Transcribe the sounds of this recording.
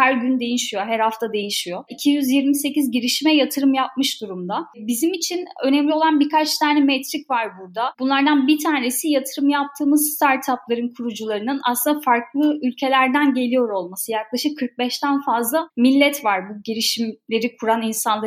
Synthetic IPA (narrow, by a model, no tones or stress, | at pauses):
hæɾɟynd̪e̞jiʃijo̞ɦæɾhaft̪ʰad̪e̞jiʃijo̞icʰijyzjiɾmise̞cizɟiɾiʃimɛjat̪ʰɯɾɯmjap̚mɯʃd̪uɾumd̪abizimit͡ʃʰinø̞nɛmlʲio̞lˠanbikʰat͡ʃt̪ʰaːnɛmɛt̪ɾicvaɾbuɾd̪abunlˠaɾd̪anbit̪ʰaːne̞sijat̪ʰɯɾɯmjap̚t̪ʰɯːmɯzst̪ʰaɾt̪ʰaplˠaɾɯnkʰuɾud͡ʒulˠaɾɯnɯna̰slˠɯnd̪afaɾklˠɯylʲcʰe̞lʲæɾd̪ænɟe̞lʲijo̞ɾo̞lˠmasɯjak̚lˠaʃɯkʰːɯɾk̚bɛʃt̪ʰænfazlˠamilʲːɛt̪vaɾbuɟiɾiʃimlʲe̞ɾikʰuɾaninsanlˠa